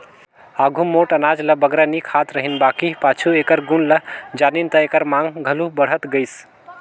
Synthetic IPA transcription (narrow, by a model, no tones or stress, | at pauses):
aɡʱumoʈənad͡ʒləbəɡɾanikʰat̪ɾəɦinbakipat͡ʃʰuekəɾɡunləd͡ʒanint̪əekəɾmãŋɡɡʱəlubəɽ̤ət̪ɡəɪs